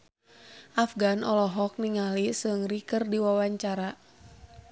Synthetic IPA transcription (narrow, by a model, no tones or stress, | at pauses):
ʔafɡanʔɔlɔɦɔk̚niŋalisɨŋrikərdiwawaɲt͡ʃaɾa